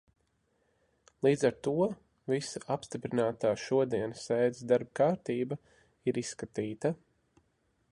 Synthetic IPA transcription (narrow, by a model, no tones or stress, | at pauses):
lˠiːd̪zaɾt̪uɔ | visaʔapst̪ipɾinaːt̪aːʃuɔd̪iɛnsɛːd̪zd̪aɾb̚kaːɾt̪iːba | iɾisːkat̪iːt̪a